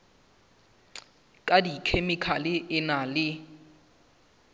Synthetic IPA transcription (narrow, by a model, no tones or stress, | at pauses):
kʼadikʰemɪkʰalɪʔɪnalɪ